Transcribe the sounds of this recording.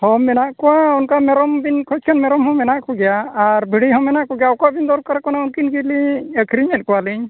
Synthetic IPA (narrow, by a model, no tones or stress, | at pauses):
hɔmɛnaʔkɔwaunkamɛɾɔmbinkʰɔt͡ʃkʰanmɛɾɔmɦɔmɛnaʔkʰuɡɛjaːɾbʱiɽiɦɔmɛnaʔkɔɡɛjaɔkaʔbind̪ɔɾkɔɾɛkɔnaunkinɡiliəkʰɾiɲɛt̚kɔwali